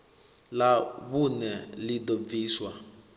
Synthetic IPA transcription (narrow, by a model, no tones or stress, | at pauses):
laβunɛlidɔb̪viːswa